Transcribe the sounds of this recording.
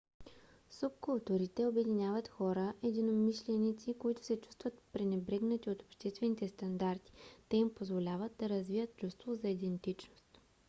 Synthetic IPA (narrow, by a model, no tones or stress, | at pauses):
sup̚kʊlˠt̪uɾit̪ɛobɛd̪inʲjavət̪xɔɾəʔɛd̪inomiʃlɛnit̪sikoit̪ʊ̥sɛt͡ʃu̥st̪vət̪pɾɛnɛbɾɛɡnɐt̪iot̪o̥pʃt̪ɛst̪vɛnit̪ɛst̪ɐnd̪aɾt̪i̥t̪ɛimpozvolʲavət̪̚d̪ɐɾɐzvijət̪̚t͡ʃust̪vozɐid̪ɛnt̪it͡ʃnost̪